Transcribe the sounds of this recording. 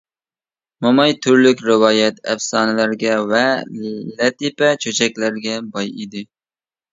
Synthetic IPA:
mɑmɑjt̪ʰyɾlykʲɾɪwɑːjɛt̪ɛ̰fsɑːnɨlæɾɡʲɛwɛllɛt̪ipɛt͡ʃʰøt͡ʃʰɛkʲlæɾɡʲɛbɑjid̪ɪ

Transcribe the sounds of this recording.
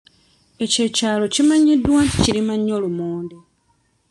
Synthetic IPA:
e̞ce̞caːlo̞cimaɲidwanciɾimaɲːo̞ːlumuːnde

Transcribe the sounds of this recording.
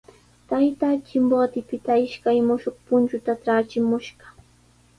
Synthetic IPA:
t̪ajt̪aːt͡ʃɪmbot̪ɪpɪt̪aɪʃkajmʊʃoχpʊnt͡ʃʊt̪aʈ͡ʂaːt͡ʃɪmʊʃɢɑ̥

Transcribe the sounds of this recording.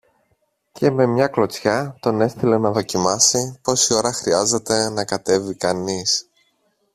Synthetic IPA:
ce̞me̞mɲɐklo̞t͡sçɐt̪o̞ne̞st̪ile̞nɐðo̞cimɐsipo̞sio̞ɾɐxɾiɐze̞t̪e̞nɐkɐt̪e̞vikɐnis

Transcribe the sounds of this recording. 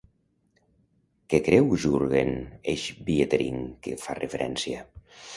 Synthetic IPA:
kekɾɛwʒuɾɣeneʃbiet̪eɾḭŋkefa̰refeɾʔɛ̰nsia

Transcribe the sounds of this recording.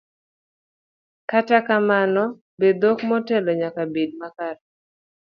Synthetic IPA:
katakamanɔ | bed̪okmɔtɛlɔɲakabid̚makaɾa

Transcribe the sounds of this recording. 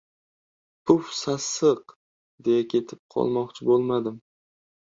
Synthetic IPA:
pʰʊfsasɨq | d̪ejakʲʰe̞t̪ʰɪp̚qʰɒ̰lˠmɒqt͡ʃʰɪbolˠmad̪ɪm

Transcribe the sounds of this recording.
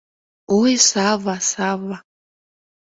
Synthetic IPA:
uesavasava

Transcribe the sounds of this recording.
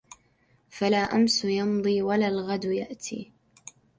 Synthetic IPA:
falaːʔamsʊjɑmd̪ˤiːwalaːlɣad̪jaʔt̪ʰḭː

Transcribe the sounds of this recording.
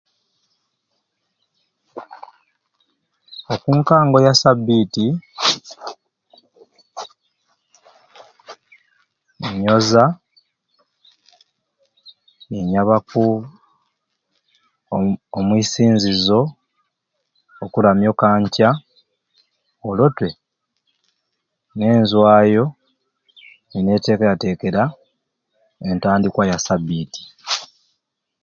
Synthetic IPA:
okuːŋkaːŋɡo̞jasabːiːti | niɲo̞za | neɲaβaku | mwiːsiːnzizo̞ | kulamjo̞kaːɲca | olo̞twe̞ | ne̞ːnzwaːjo̞ | nine̞ːte̞ːkejate̞ːke̞ɾa | e̞ntaːndikwajasabiːti̥

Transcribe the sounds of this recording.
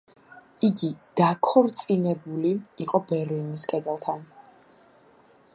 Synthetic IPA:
iɡid̪̥akʰɔɾt̪sʼinɛbuliiqʼɔbɛɾliniskʼɛd̪ɛlˠt̪ʰan

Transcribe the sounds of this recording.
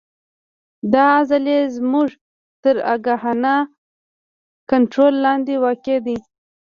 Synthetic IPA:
d̪ɑzalezmuʐ | t̪əɾa̰ɡahana | kaɳʈɾolːɑnd̪ewaked̪i

